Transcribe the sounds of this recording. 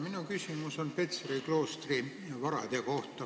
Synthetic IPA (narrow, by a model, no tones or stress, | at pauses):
minukysimuso̞npet̪seɾiklo̞ːst̪ri | ʋɑɾɑ̰d̪eko̞ht̪ɑ